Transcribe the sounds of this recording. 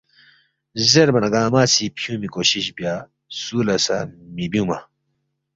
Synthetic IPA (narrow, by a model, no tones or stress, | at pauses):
zeɾbɐnɐɡaːmaːsipʰjũːmikoːɕiɕbja | suːlɐsamibjũːmɐ